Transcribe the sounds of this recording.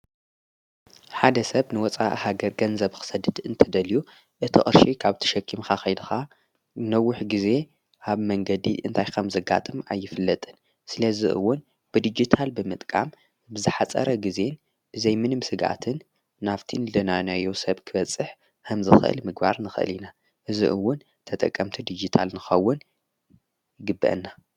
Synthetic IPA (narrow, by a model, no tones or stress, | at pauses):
ħad̪ɐsɐβnɨwɔt͡sʼa̰ʔhaɡɐɾɡɐnzɐβkɨ̥sɐd̪ɨd̪ɨnt̪ʰɐd̪ɐlju | ʔɨt̪ʰiʔʼɨɾʃikʰaβt̪ʰi̥ʃɐkʰːimxaxɐjd̪ɨxa | nɐwːʊħɡize̞ | ʔaβmɐŋɡɐd̪iʔɨ̰nt̪ʰajkʰɐmzɐɡa̰t̪ʼɨma̰jːɪfɨlːɐt̪ʼɨn | sɨlɐziʔɨ̰wːʊn | b̥ɨd̪id͡ʒit̪ʰalbɨmɨt̪ʼkʼa̰m | bɨzɨħat͡sʼɐ̰ɾɐɡize̞n | b̥ɨzɐjmɨnɨmsɨɡʔa̰t̪ʰɨnː | aft̪ʰinɨlɐnanajosɐβkʰɨbɐt͡sʼɨħ | kʰɐmzɨxʔɨ̰lmɨɡba̰ɾnɨxɨʔɨ̰lina | ʔɨzḭʔɨwːʊn | t̪ʰɐt̪ʼɐ̰kʼːɐmt̪ʰid̪id͡ʒit̪ʰa̰lnɨxɐwːʊn | jɡɨbːɨ̰ʔɨ̰nːa